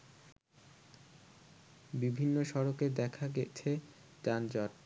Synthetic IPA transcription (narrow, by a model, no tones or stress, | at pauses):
bibʱinːoʃɔɾoked̪ɛkʰaɡet͡ɕʰe | ʈand͡ʑaɾ